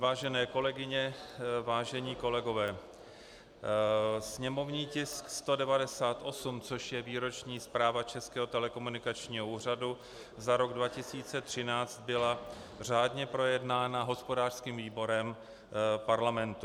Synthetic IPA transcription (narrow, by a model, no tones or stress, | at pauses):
vaːʒɛnɛːko̞lɛɡɪɲɛvaːʒɛɲiːko̞lɛɡo̞vɛː | sɲɛmo̞vɲiːcɪskst̪o̞dɛvadɛsaːt̪ʔo̞sumt͡soʃjɛviːɾo̞t͡ʃɲiːspɾaːvat͡ʃɛskɛːɦo̞t̪ɛlɛko̞munɪkat͡ʃɲiːɦouːr̝adu | zaɾo̞ɡdvacɪsiːt͡sɛt̪r̝̥ɪnaːt͡st̪̚bɪla | r̝aːdɲɛpɾo̞jɛdnaːnaɦo̞spo̞daːr̥skiːmviːbo̞ɾɛm | paɾlamɛnt̪u